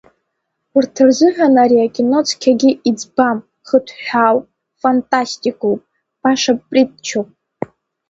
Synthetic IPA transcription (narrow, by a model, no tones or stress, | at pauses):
ɨrtʰɨrzɨħᶣanaɾiakʲʼino̞t͡sʰkʲʰaɡʲɪʔid͡zbam | χətʰħaw | fantʼastʼikʼowpʼ | b̥aʂappʼritʼt͡ʃʰowpʼ